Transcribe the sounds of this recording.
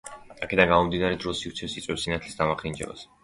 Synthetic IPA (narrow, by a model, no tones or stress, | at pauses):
akʰɛd̪aŋɡamɔmd̪inaɾɛd̪ɾɔsivɾt̪sʰɛsit̪sʼwɛpsinat̪ʰlisd̪amaχind͡ʒɛ̰ba̰s